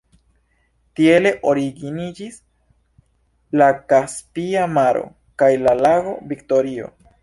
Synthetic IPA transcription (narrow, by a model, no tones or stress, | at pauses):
tie̞le̞ʔo̞ɾiɡinid͡ʒis | lakaspiamaɾʔo̞̰ | kajlalaɡo̞bikto̞ɾio̞̰